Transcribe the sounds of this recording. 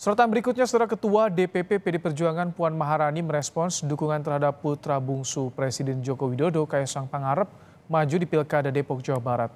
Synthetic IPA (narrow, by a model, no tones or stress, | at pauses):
səɾɔt̪anbəɾikut̪̚ɲasədəɾakət̪uadepepepedepərd͡ʒuaŋanpuanmaɦaɾaniməɾɛspɔnsdukuŋant̪ərhadapːut̪ɾabuŋsupɾesidɛnd͡ʒokowidodokajasaŋpaŋaɾəp̚ | mad͡ʒudipilkadadepɔk̚d͡ʒawabaɾat̪̚